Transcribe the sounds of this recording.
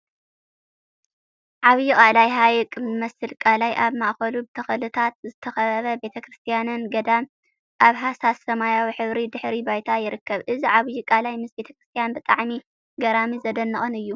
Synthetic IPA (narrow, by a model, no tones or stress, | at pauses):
ʕaβjukʼalajɦajkʼɨmɐsɨlkʼalajʔaβmaʔxɐlubɨt̪ʰɐxɐlɨt̪ʰat̪̚zɨt̪ʰɐxɐɐβɐbe̞t̪ʰɐkʰɾɨst̪ʰijanɨnɡɐd̪am | ʔaβɦasasɐmajawiħɨβɾid̪ɨħɾibajt̪ʰajɪɾɨkːɐβʔɨziʕaβjukʼalajmɨsbe̞t̪ʰɐkɾɨst̪ʰijanbɨt̪ʼaʕmi | ɡɐɾamizɐd̪ɐnːɐʔʼɨnɨjːu